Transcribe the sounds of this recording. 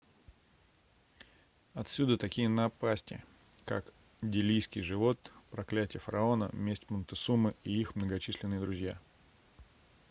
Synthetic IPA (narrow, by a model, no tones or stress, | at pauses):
ɐt̪sʲud̪ət̪ɐkʲijənɐpasʲtʲɪ̰ | ka̰k | dʲɪlʲijskʲɪjʐɨvo̞t̪pɾɐklʲætʲɪjəfəɾɐo̞nə̰mʲesʲtʲmənt̪ɨsumɨiixmnəɡɐt͡ɕisʲlʲɪnːɨjəd̪ɾʊzʲja̰